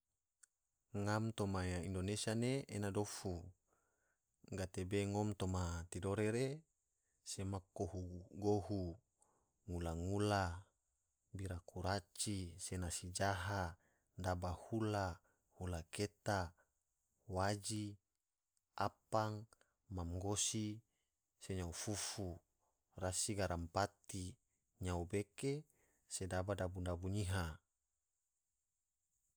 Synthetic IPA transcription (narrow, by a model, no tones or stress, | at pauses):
ŋamt̪omaaindonesianeenadofu | ɡat̪ebeŋomt̪omat̪idoɾeɾe | semakːohuɡoɦu | ŋulaŋula | biɾakuɾat͡ʃisenasid͡ʒaɦa | dabahula | hulaket̪a | wad͡ʒi | apaŋ | mamɡosi | seɲaufufu | rasiɡaɾampat̪i | ɲaubeke | sedabadabundabuɲiɦa